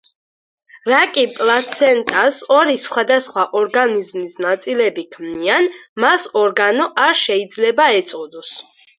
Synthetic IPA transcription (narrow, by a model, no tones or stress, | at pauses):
ɾakʼipʼlat̪sʰɛnt̪ʼasɔɾisχwad̪asχwaʔɔɾɡanizmisnat̪sʼilɛbikʰmnianmasɔɾɡanɔʔaɾʃɛid̪zlɛbaɛt̪sʼɔd̪ɔs